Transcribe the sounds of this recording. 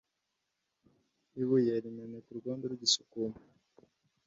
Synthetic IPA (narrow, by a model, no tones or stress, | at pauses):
iβujaɾimanetuɾuɡaːndeɾuɟisu̥kuma